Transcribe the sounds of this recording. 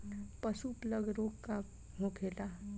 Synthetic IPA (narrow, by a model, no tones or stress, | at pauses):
pəsupləɡɾoɡka | ɦokʰela